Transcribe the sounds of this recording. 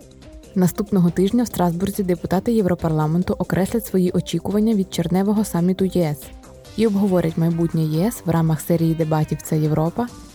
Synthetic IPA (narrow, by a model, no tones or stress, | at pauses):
nɐst̪upnɔɦɔt̪ɪʒnʲɐwst̪ɾɑzburzʲid̪epʊt̪ɑt̪ɪjɛwɾɔpɐrlˠɑment̪ʊʔɔkɾʔɛsʲlʲɐtʲsʋɔjiʔɔt͡ʃʲikʊʋɐnʲːɐʋʲid̪̚t͡ʃernɛʋɔɦɔsɑmʲit̪ʊjɛɛs | iɔbɦɔʋɔɾʲʔɐtʲmɐjbutʲnʲɛjɛɛsʋrʔɑmɐxsɛɾʲijid̪e̞bɑtʲiwt̪sɛjewɾɔpɐ